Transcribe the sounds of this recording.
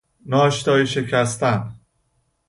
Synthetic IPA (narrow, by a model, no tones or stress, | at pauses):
nɒːʃt̪ɒːjiʃecʰæst̪æn